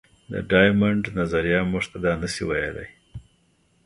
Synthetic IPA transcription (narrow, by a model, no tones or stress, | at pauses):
d̪ə̰ɖɑjmaɳɖnazaɾijɑmuʐt̪ad̪ɑnəsiwajela̰j